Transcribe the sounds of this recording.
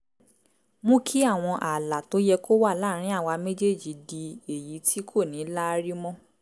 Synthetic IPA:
mũ˦kʰi˦a˦˨w̃ɔ̃˧ʔa˨la˨to˨˦jɛ˧ko˦wa˦˨la˦˨ɾ̃ĩ˦a˦˨wa˧me˦d͡ʒe˦˨d͡ʒi˨di˧e˨ji˨˦tʰi˦kʰo˦˨nĩ˨˦la˦˧ɾi˦mɔ̃˦

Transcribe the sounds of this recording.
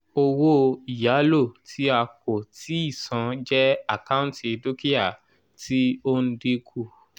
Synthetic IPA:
o˧wo˦i˨ja˨˦lo˦˨tʰi˦a˧ko˨ti˨˦i˦˨sã˨˧d͡ʒɛ˦a˦˨kã˦ti˧do˦ki˦a˦˨ | ti˦o˦n̩˦de˦ku˦˨

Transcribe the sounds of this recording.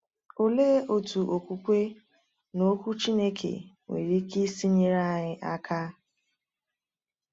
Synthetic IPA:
o˨leː˦o˨tu˨ʔo˨kʷu˦kʷe˦ | no˦kʷu˦t͡ʃi˦ne˦kʰḛ˨ | ŋʷḛ˨ɾi˦ki˦si˦ɲi˦ɾa˦˨ɲɪ˦ʔa˦kʰa˦

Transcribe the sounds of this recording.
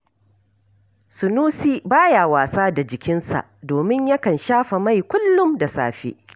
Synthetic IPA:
sʊ˨nuː˦siː˦baː˦ja˨waː˨saː˦da˨d͡ʒɪ˨kʲɪ˦nsa̰˨ʔdoː˨mɪ˦ɲja˦kɐ˨nʃaː˦ɸa˨ma˦˨jkʷʊ˦lːʊ˦mda˨sa̰ː˨ɸḛː˦

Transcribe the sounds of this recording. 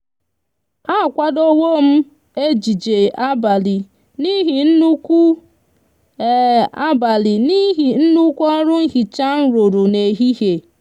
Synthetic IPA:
a˦˨kʷa˦do˦wo˦m̩˦ | e˦d͡ʒi˨d͡ʒe˨a˦ba˨li˨ | ni˦ɦi˨n̩˦nu˦ku˦˨ | a˦ba˨li˨ni˦ɦi˨n̩˦nu˦kʷɔ˦ɾʊ˦n̩˦ɦi˨t͡ʃa˦n̩˦ɾo˨ɾu˨ne˨ɦi˦ɦe˨

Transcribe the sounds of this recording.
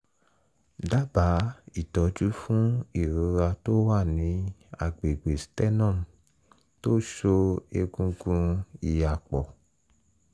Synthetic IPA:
da˦ba˨˦i˦˨tɔ˨˦d͡ʒu˦fũ˦i˦˨ɾu˨˦ɾa˧to˦wa˦˨nĩ˨˦a̰˨ɡ͡be˨ɡ͡be˨stɛ˦nɔ̃˦˨ | to˦ʃo˧e˧ɡũ˦ɡũ˦i˧˨ja˨k͡pɔ˨

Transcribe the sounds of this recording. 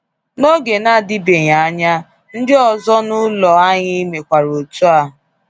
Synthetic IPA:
no˦ɡe˨na˦˨dɪ˦be˨ɲa˨a˦ɲa˦ | n̩˦dɪ˦ɔ˨zɔ˦nʊ˦lɔ˨a˦ɲɪ˦me˨kʷa˨ɾo˨tu˦a˦˨

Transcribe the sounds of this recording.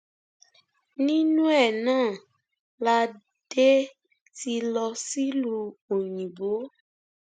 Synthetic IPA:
nĩ˦nũ˦ɛ˦˨nãː˦˨ | la˧ | d̥e˦ | ti˧lɔ˧si˦lu˧o˨ɲĩ˨bo˨˦

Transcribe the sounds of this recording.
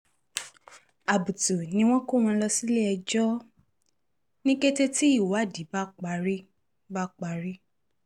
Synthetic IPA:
a˨bu˨tu˨nĩ˧w̃ɔ̃˦ko˦˨w̃ɔ̃˧lɔ˧si˦le˦ɛ˧d͡ʒɔ˦ | nĩ˦ɡe˦te˦ti˦i˦˨wo˨a˦˨di˨˦ba˦k͡pa˨˧ɾi˦ | ba˦k͡pa˧˨ɾi˦

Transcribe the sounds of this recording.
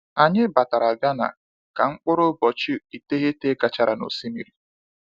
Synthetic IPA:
a˨ɲɪ˦ba˨ta˨ɾa˨ɡa˦na̰˨ | ka˨ŋ͡m̩˦k͡pʊ˦ɾʊ˦bɔ˨t͡ʃi˦i˨te˦ɣe˦te˦ɡa˨t͡ʃa˨ɾa˨no̰˨si˦mi˨ɾi˨

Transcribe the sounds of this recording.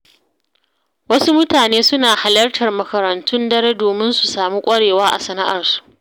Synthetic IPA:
wɐ˦su˦mʊ˦taː˨neː˦sʊ˦naː˨ha˨lɐ˦rtɐ˨rmɐ˦kɐ˨ɾɐ˨ntʰʊ˦ndɐ˦ɾe˦doː˨mɪ˦nsu˨saː˨mu˦kʷʼɐ˦ɽeː˨waː˦ʔa̰˨sɐ˨na˦ʔɐ̰˨rsu̥˨ʔ

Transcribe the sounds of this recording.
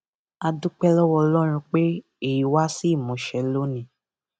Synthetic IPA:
a˧du˦k͡pɛ˦lɔ˦wɔ˧lɔ˦ɾ̃ũ˧k͡pe˦ | e˨ji˨wa˦si˦˨mɔ̃˨˦ʃɛ˨lo˦nĩ˨˦

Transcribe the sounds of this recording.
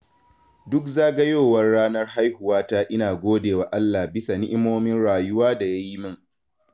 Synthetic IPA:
dʊ˦kzaː˦ɡɐ˦joː˦˨wɐ˦rɽaː˦nɐ˦rha˦jhʊ˨waː˦ta˦ʔɪ˦naː˨ɡʷoː˦deː˨waː˨ʔa˦lːa˨bɪ˦sa˨nɪ˦ʔɪ˦moː˦mɪ˦nɽaː˨jʊ˦waː˦da˨ja˦ji˦mɪ˦ŋ

